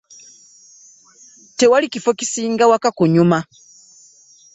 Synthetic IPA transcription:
te̞walicifo̞ci̥siːŋɡawakakuɲuma

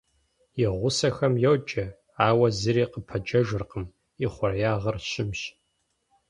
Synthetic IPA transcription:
jɪʁʷʊsɐxɐmjowd͡ʒʼɐ | aːwɐzɨɾiːqəpʰɐd͡ʒɐʒɨrqəm | iχʷʊrjaːʁɐrɕɪmɕ

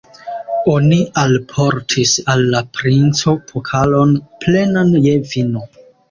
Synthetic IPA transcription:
o̞nialpʰo̞ɾtʰisalːapɾint͡so̞pʰokʰalo̞nple̞nanjevino

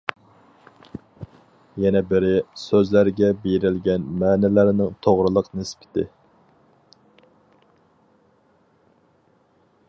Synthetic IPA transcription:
jɛnɛbɪɾɪsøzlæɾɡʲɛbeɾɪlɡʲɛnmæːnɪlæɾnɪŋt̪ʰoʁɾɨlˠəqnɪspʰɪ̥t̪ʰɪ̰

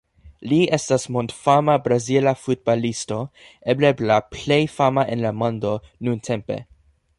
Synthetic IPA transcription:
liestasmondfamabɾazilafut̚balisto̞ | ebleblaplejfamaʔenlamõndo̞nuntʰe̞mpe̞̰

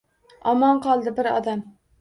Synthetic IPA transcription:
ɒmɒɴqɒlˠd̪ɪbɪɾɒ̰d̪am

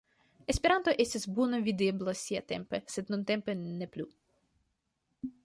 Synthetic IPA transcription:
ɛsʲpʲiɾɑnt̪ɔʔɛsʲezbunɔʋʲid̪ɪblˠɔsʲiɛt̪ɛ̰mpesɛd̪nɔnt̪ɛmpenɛplʲu

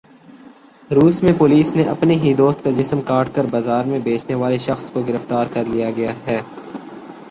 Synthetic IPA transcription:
ɾuːsmẽpoːliːsneʔɐpneɦid̪oːst̪̚kad͡ʒɪsmkaːʈkɐɾbaːzaːɾmẽbeːt͡ʃneʋaːleʃɐxskoɡɪɾəft̪aːɾkɐɾlijaɡɐjaɦɛː

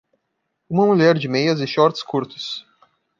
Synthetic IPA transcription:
ũmɐmuʎɛɾd͡ʒɪmejɐzɪ̃ʃɔɾt͡ʃɪ̥skuɾt̪ʊ̥s

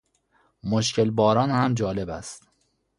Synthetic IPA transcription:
moʃcʰelbɒːɾɒːnhæmd͡ʒɒːle̞bæst̪

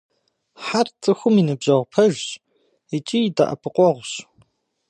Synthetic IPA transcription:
ħart͡sʼɨxʷʊminɨbʑɐʁʷpʰɐʒ | it͡ʃʼijda̰ʔɐ̰pʰɨqʷʼɔʁʷɕ

